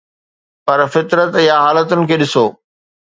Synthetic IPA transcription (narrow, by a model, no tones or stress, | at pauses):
pɐɾfɪt̪ɾət̪ɪjaɦaːlət̪ʊnɪ̆kʰeːɗɪsoː